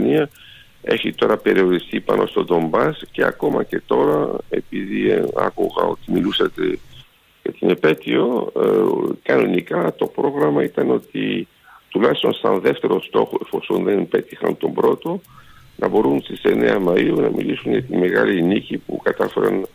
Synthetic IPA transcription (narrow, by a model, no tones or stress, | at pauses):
niɐ | e̞çit̪o̞ɾɐpe̞ɾio̞ɾist̪ipɐnʔo̞̰st̪o̞d̪o̞mbɐsce̞ɐ̰ko̞mɐce̞t̪o̞ɾɐe̞piðiɐ̰kuɣɐ̰o̞t̪imilusɐt̪e̞ | ʝɐt̪inepe̞t̪io | kɐno̞nikɐt̪o̞pɾo̞ɣɾɐmɐit̪ɐno̞t̪i | t̪ulɐist̪o̞̰nsɐnðe̞ft̪e̞ɾo̞st̪o̞xoefo̞sonðenpe̞t̪ixɐ̰nt̪o̞mbɾo̞t̪o̞ | nɐbo̞ɾunst̪ise̞ne̞ɐmɐiunɐmilisunʝɐt̪ime̞ɣɐlinicipukɐt̪ɐfe̞ɾɐn